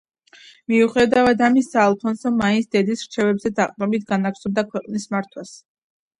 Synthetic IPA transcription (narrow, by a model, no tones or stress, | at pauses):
miuχɛd̪avad̪amisːaːlˠpʰɔnsɔmmːainsd̪ɛd̪isɾ̥t͡ʃʰɛvɛbzɛd̪aqʼmɔbit̪ʰɡanaksɔbd̪akʰwɛqʼnismaɾt̪ʰwas